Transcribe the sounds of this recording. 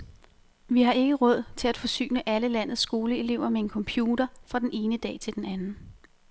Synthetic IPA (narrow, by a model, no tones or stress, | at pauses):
ʋiɦɑ̈ʔe̝ɡ̥əʁɔ̽ð̞̰ˠt͡sʰe̝læd̥fɒ̽sy̰ːnəʔæləlæn̰ð̞̩ˠsːɡ̥o̝ːləe̝le̝ʊ̰ɐmee̝nkʰɒ̽mpʰjuːɾɐfʁɑ̈d̥ene̝ːnəd̥ɛ̰ːt͡sʰe̝ld̥enænn̩